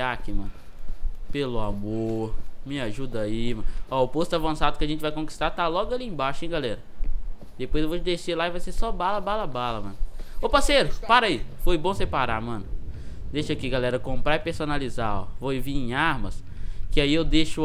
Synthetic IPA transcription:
akimɐ̰̃nʊ | pelʊamoɾmɪaʒud̪aimɐ̃nɔʊpost̪ʊavɐ̃sad̪ʊkɪaɐʒẽnt͡ʃɪvajkõki̥st̪at̪alɔɡʊɐliẽbaʃʊẽɡalɛɾɐ | d̪epojzewvot͡ʃɪd̪eʃelaivajsesɔbalɐbalɐbalɐmɐ̰̃nʊʊpasejɾʊpaɾɐifojbõsepaɾa̰mɐ̃nʊd̪eʃakiɡalɛɾɐkõpɾaipeɾsonalizao̰voviẽj̃aɾmɐs | kɪaiewd̪eʃʊ

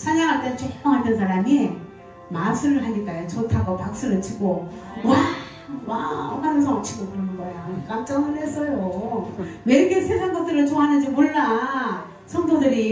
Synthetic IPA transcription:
t͡ɕʰaɲaŋɦaɭt͈ent͡ɕʰokp͈aŋɦaɭt͈ʌns̬ʰaɾami | masʰɯɾɯɦaɲik͈ajot͡ɕotʰaɡopak̚s͈ɯɾɯt͡ɕʰiɡo | wa | wamanɯns̬ʰʌʌt͡ɕʰiɡokɯɾʌnɡʌjok͈amt͡ɕ͈ʌŋɯnɦes͈ʌjo | meɾiɡesʰesʰaŋɡʌk̚t͈ɯɾɯɭt͡ɕoɦanɯnd͡ʑimoɭːa | sʰʌŋdodɯɾi

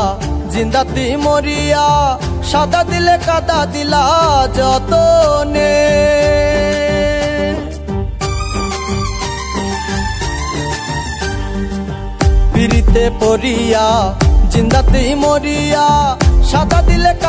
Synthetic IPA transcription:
d͡ʒind̪at̪imoɾijaʃad̪ad̪ilekad̪ad̪ilad͡ʒɔt̪one | piɾit̪epoɾijad͡ʒind̪at̪imoɾijaʃad̪ad̪ilek

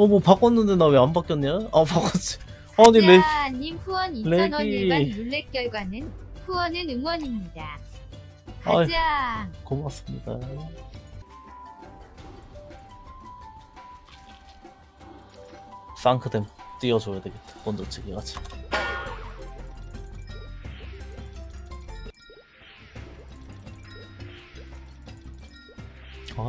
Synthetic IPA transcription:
ʌmʌpak͈ʌnːɯndenameambak͈jʌnːeʌpak͈ʌt͡ɕi̥ | ʌɲileɲimɸuwʌnilenmunːek͈jʌɭɡwanɯnɸuwʌnɯnɯŋwʌɲimɲida | kajd͡ʑakomas͈ɯmɲida̰ | s͈aŋkʰɯdemt͈iʌd͡ʑojadweɡett͈ḁp͈ondot͡ɕʰiɡiɡat͡ɕʰi | a

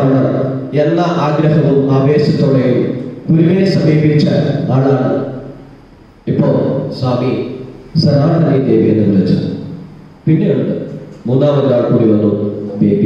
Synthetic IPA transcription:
ɐɭːɐr | elːaʔaːɡɾɐɦɐʋumaːbeːsɐt̪ːoɽɐjumɡuɾuʋɐnesɐmeːbiit͡ɕːa̰lmɐɭaːɳɨ | ipːoːɭsaːmisɐnaːʈɐnid̪eːʋɐjenːɨʋɐlɐt͡ɕːɐðɨ | pinːejuɳɖɨmuːnːaːʋɐaːɭkuɾuʋɐnumbeːbi

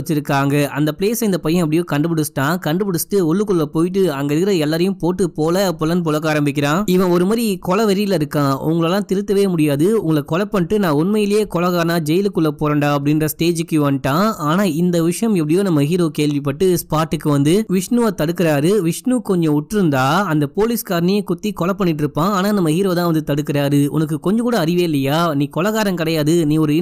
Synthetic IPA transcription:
ɐt͡ʃːɪɾɯkːaːŋɡɐʔɐ̰nd̪ɐpleːsɐɪnd̪ɐpɐjɐ̃ɐpːɐɽɪjoːkɐɳɖɯpɐɽɯsʈːãːkɐɳɖɯpɐɽɯsʈːɯɔɭːɯkɔɭlɐpoːjɪʈ̬ːɯɐŋɡɐðɯɣɪɾɐɛlːaːɾɐjɯ̃mpoːʈːɯpoːlɐpɔlɐnp̬ɔlɐkːaːɾɐmbɪk̬ʲːɪɾãːɪʋɐ̃ɔɾɯmaːɾikɔɭɐʋɐɾɪjɪlɪɾɯkːãːʊ̰ŋɡɐɭɐlːãːt̪ɪɾɯt̪ːɐʋeːmʊɽɪjaːðɯʊ̰ŋɡɐɭkɔɭɐpːɐɳʈːɯnãːʊnmɐjɪljeːkɔɭɐɣaːnaːd͡ʒɛjɪlɯkːɯɭːɐpoːɾɐɳɖaːɐp̬ːɐɽɪnɾɐsʈeːd͡ʒɯkːɯʋɐnʈːãːaːnaːɪnd̪ɐʋɪʂɐjɐmɛp̬ːɐɽɪjoːnɐmːɐɦiːɾoːkeːɭʋɪpːɐʈːɯspaːʈːɯkːɯʋɐnd̪ɯʋɪʂnɯʋaːt̪ɐɽɯkːɪɾaːɾɯʋɪʂɳuːkɔɲd͡ʒɔ̃ʊʈːɯɾɯnd̪aːɐnd̪ɐpoːliskaːɾnɪjɐkʊt̪ːikɔɭɐpːɐɳːɪʈːɪɾɯpːãːaːnaːnɐmːɐhiːɾoːt̪ãːʋɐnd̪ɯt̪ɐɽɯkːɪɾaːɾɯʊ̰nɐk̬ːɯkɔɲd͡ʒɔ̃kuːɽɐːɾɪʋeːlːɐjaːnĩːkɔɭɐɣaːɾɐmkɪɽɐjaːðɯniːɔɾɯɪ

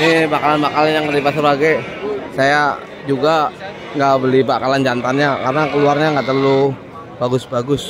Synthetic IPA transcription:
nibakalanbakalanjaŋəlipat̪səbaɡaj | saja | d͡ʒuɡa | ŋɡaʔbəlibakaland͡ʒant̪anɲakarənakəluarɲaŋɡaʔt̪ərlu | b̥aɡʊsbaɡʊs

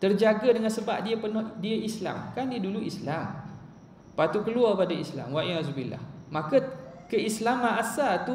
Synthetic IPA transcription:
t̪ərd͡ʒaɡədəŋansəba̰p̚diəpərnɔhdiəʔisla̰mkandiəduluʔislam | pat̪ukəluapadaisla̰mwaʔiazubila̰hmãkə | kəislamãnasat̪u

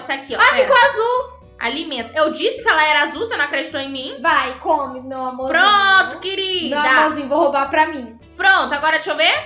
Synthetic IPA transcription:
sɪakiɔafikoazuw | a̰limẽnt̪ɐewd͡ʒisɪ̥kɪɛlɐɛɾɐazuwsɪenɐ̃akɾed͡ʒit̪owẽj̃mĩvajkõmɪmewamopɾõt̪ʊ̥keɾimdewaɐmõzĩɲʊ̃vowhobapɾɐmĩ | pɾõnt̪ʊaɡɔɾɐt͡ʃowve

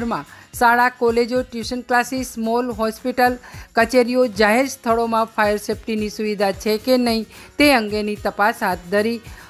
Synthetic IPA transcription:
ɾmãsaɭakɔled͡ʒoʈjuʃənklasismolɦɔspiʈəlkət͡ʃeɾijod͡ʒaɦeɾst̪ʰəɭomãfʰajəɾsepʈinisuʋid̪ʱat͡ʃʰekenəɦĩt̪eəŋɡenit̪əpasɦat̪̚ʰd̪ʱəɾi

